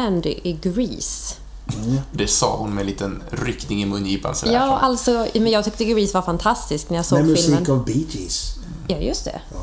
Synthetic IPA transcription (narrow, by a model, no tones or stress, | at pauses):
ænd̪ɪ̰ʔɪɡɾḭːs | d̪ɛsɑ̰ːhʊnmɛnliːt̪ənɾʏknɪŋɪmɵnːjiːpa̰nsɛ̰ljɑːʔalt̪sɔmɛnjɑːɡ̚t̪ʏk̚t̪əɡɾiːsvaɾfant̪ʰast̪ɪsknæɾjasoɛmsinkɔvbitɪs | jɑːjɵst̪ʰɛ̰